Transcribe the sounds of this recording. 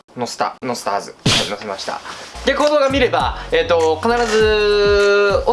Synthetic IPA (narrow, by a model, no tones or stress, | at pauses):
nosɨ̥t̪a̰no̞sɨ̥t̪aazɨhanosemaɕi̥t̪a̰d̪̥e̞ko̞ːd̪o̞ːɡamʲiɾe̞bae̞ːt̪ːo̞kanaɾazɨ | o